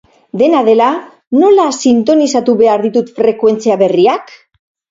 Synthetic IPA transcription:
d̪e̞naðe̞la | no̞lasint̪o̞nisat̪uβe̞aɾðit̪ut̪fɾe̞kwe̞nt͡siaβe̞riak

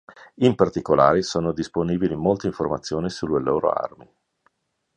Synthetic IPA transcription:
impart̪ikola̰ːɾesoːnod̪isponiːbilimolt̪eiɱformat̪sːjoːnisulːeloːɾo̰a̰rmi

